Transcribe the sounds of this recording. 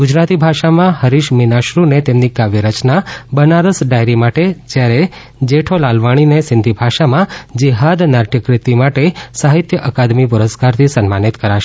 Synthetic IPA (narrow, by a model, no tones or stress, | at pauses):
ɡʊd͡ʒɾat̪ibʱaʃamãhəɾiʃminaʃɾunet̪emnikaʋjiɾət͡ʃnabənaɾəsɖajɾimaʈed͡ʒjaɾe | d͡ʒeʈʰolalʋaɽ̃inesɪnd̪ʱibʱaʃamãd͡ʒeɦad̪naɾʈʰjəkɾɪt̪imaʈesaɦit̪jəʔəkad̪mip̬ʊɾəskaɾt̪ʰisənmanit̪kəɾaʃe